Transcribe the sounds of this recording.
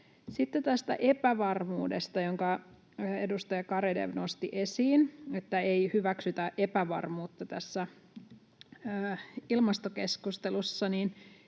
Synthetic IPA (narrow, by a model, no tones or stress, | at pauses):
sit̪ːet̪æst̪æ̰ʔe̞pæʋɑrmuːdest̪ɑjoŋkɑː | e̞dust̪ɑjɑkɑɾedḛʋno̞st̪iʔesiːne̞t̪ːæejhyʋæksyt̪æʔepæʋɑ̰rmuːt̪ːɑt̪æsːæ | ilmɑst̪oke̞skust̪elusːɑnin